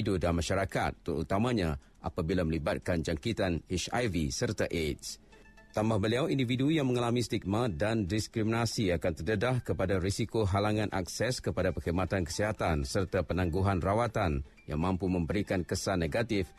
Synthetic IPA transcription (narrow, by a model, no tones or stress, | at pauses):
dudaamãʃaɾaka̰t̪ːəɾṵt̪amãɲa | ʔapabilamə̃libat̪̚kand͡ʒaŋkit̪aneʃa̰jvisərt̪aʔets | t̪ambahbəliawindividujaŋməŋalamĩst̪ik̚mat̪̚dandiskɾiminasiakant̪ərdədahkəpadaɾisikoɦalaŋãnʔa̰ksɛskəpadapəhimat̪ankə̥siɦat̪ansərt̪apənãŋɡuɦanrawat̪an | ja̰ŋmãmpumə̃mbəɾikankəsaneɡat̪ɪf